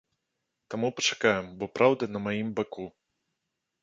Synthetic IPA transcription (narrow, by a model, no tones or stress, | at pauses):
t̪amupɐt͡ʂakajɛmbɔpɾawd̪ɐnɐmajimbaku